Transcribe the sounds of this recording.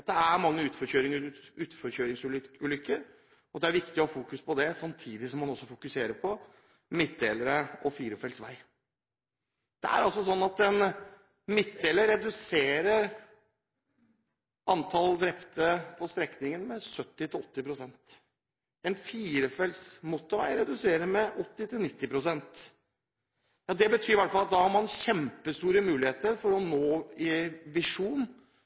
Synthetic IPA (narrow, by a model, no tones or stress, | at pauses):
d̪ɛæɾmɑŋːəʉːt̪fɔçøːɾɪŋʉːt̪fɔɾçøːɾɪŋsʉːʉːlʏkːəɾ | ɔd̪ɛæɾʋɪkt̪ɪɔfuːkʉspʰɔd̪ɛsɑmt̪ʰiːd̪ɪsɔmːɑnɔsːɔfʊkʉseːɾəpʰɔ | mɪt̪̚d̪eːləɾəɔfiːɾəfɛlsʋæɪ | d̪̥ɛ̰æ̰ɾɑlsɔsɔnːɑt̪ɛn | mɪt̪̚d̪eːləɾɾɛd̪ʉseːɾəɾ | ɑnt̪ʰɑld̪ɾɛpt̪əpʰɔst̪ɾɛknɪŋənmɛsœt̪ːɪt̪ʰɪlɔt̪ːɪpɾʊsɛnt̪ | ɛnfiːɾəfɛlsmʊt̪ːɔʋæ̰ɪɾɛd̪ʉseːɾəmɛʔɔt̪ːɪt̪ʰɪlnɪt̪ːɪpʰɾʊsɛnt̪ | jɑːd̪ɛbət̪ʰyːɾʋæʈfɑlɑt̪̚d̪ɑːhɑɾmɑnɕɛmpəst̪uːɾəmʉːlɪheːt̪əɾfɔɾɔnoːɪʋɪʂuːn